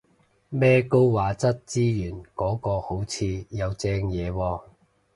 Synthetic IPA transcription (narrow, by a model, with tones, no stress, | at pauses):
mɛː˥ko˥wwaː˨˧t͡sɐ˥t̚t͡siː˥jyː˨˩nkɔː˨˥kɔː˧ho˨˥wt͡sʰiː˨˧jɐ˨˧wt͡sɛː˧ŋjɛː˨˧wɔː˧